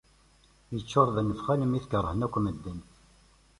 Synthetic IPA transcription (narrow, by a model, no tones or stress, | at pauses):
jət͡ʃːoɾˤðənːəfχæləmiθkəɾˤːəhənækʷːməd̪ːənt̪